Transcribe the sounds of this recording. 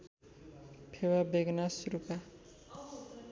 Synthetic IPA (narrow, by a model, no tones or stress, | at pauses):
pʰewabeɡnasuɾuka